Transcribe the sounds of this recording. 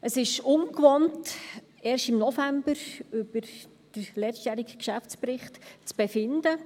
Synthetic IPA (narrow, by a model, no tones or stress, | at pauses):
ʔəsɪʃʊnkʋɔnt | ɛːɾstɪmnɔfæmb̥əɾʏb̥əɾ | d̥əɾlɛʃtjæːɾikkʃæft͡spɾɪχtt͡sb̥ɛfɪnd̥̪ə